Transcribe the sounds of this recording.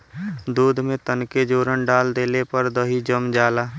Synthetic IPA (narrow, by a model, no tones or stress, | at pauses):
d̪uːd̪ʱmẽt̪ənked͡ʒoːɾənɖaːld̪eːlepəɾd̪əɦid͡ʒəmd͡ʒaːlaː